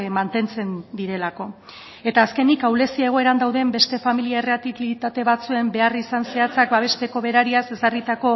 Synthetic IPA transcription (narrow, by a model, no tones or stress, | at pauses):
mant̪e̞nt͡se̞nd̪iɾe̞lako̞ | e̞t̪aːske̞nikawle̞siae̞ɣ̞o̞e̞ɾand̪awðe̞mbe̞st̪e̞familiaereat̪ilit̪at̪e̞βat͡sue̞mbe̞arisanse̞at͡sakbaβ̞e̞st̪e̞ko̞βe̞ɾaɾiase̞sarit̪ako̞